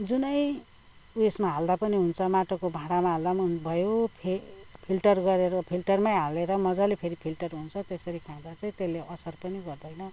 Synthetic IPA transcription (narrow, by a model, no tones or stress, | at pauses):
d͡zunʌj | wesmaɦald̪apʌniɦunt͡sʰʌmaʈokobʱãɽamaɦald̪abʱʌjopʰepʰilʈʌrɡʌɾeɾʌpʰilʈʌrmajɦaleɾʌmʌd͡zʌlepʰeɾipʰilʈʌrɦunt͡sʰʌt̪esʌɾikʰãd̪at͡sʌĩt̪elːeʔʌsʌrpʌniɡʌrd̪ʌjnʌ